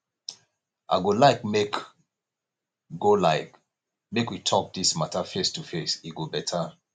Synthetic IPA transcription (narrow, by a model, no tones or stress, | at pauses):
ʔa̰ɪɡolaɪkmek | ɡolaɪk | mekwitʰɔk̚dismatafestufesiɡobɛtʰa